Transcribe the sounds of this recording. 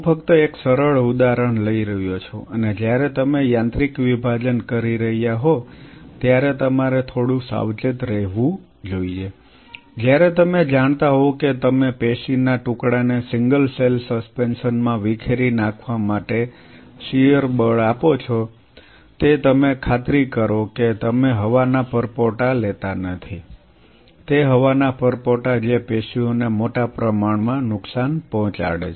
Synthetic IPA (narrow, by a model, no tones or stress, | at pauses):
pʰəkt̪əeksəɾəɭud̪aɾəɳ̃ləiɾəɦjot͡ʃʰoʔəned͡ʒjaɾet̪əmejãnt̪ɾikʋibʱad͡ʒənkəɾiɾəɦijaɦot̪jaɾet̪əmaɾet̪ʰoɽũsa̰ʋt͡ʃɪt̪ɾəɦʋũ | d͡ʒoie | d͡ʒjaɾɛt̪əmed͡ʒaɳ̃t̪aɦoket̪əmepeʃinːaʈukɽanesɪ̃ŋɡəlselsəspensənmãʋikʰeɾinakʰʋamaʈe | ʃijəɾbəɭapot͡ʃʰɔ | t̪et̪əmekʰat̪ɾikəɾoket̪əmeɦəʋanapʰəɾpɔʈalet̪anət̪ʰi | t̪eɦəʋanapəɾpɔʈad͡ʒepeʃionemoʈapɾəmaɳmãnʊksanpɔɦɔ̃t͡ʃa̰ɽet͡ʃ